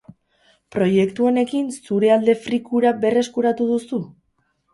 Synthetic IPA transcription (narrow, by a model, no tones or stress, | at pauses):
pɾo̞je̞kt̪uo̞ne̞kinsuɾe̞ald̪e̞fɾikuɾabe̞re̞skuɾat̪uðusu